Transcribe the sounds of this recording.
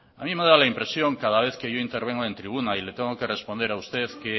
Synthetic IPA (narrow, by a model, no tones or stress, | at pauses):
amĩmeð̞alaimpɾe̞sjoŋkað̞aβ̞eθkeʝoint̪eɾβ̞eŋoent̪ɾiβ̞unailet̪eŋokerespond̪eɾaust̪eθke